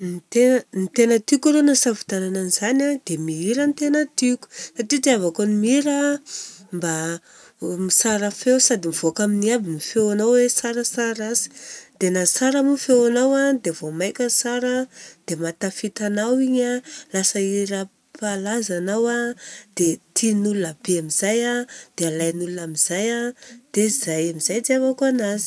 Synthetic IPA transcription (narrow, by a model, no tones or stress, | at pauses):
nit̪ennit̪enət̪ikaɾonasavu̥t̪anananizanad̪̥emiiɾənt̪enət̪iku̥saʈ͡ʂit̪eavakonimiɾa | mba | misaɾəfewsad̪imiv̥okaminiabinifewanawwesaɾəsaɾazi̥d̪̥enasaɾamufewanawad̪evomajkʲəsaɾəd̪̥emat̪afit̪anawiɲalasəiɾə | pʰalazanawad̪̥et̪ʰinulunabeamiz̥ajad̪̥ealajnulunamiz̥ajad̪̥ez̥ajamizajt͡siafakuanazi̥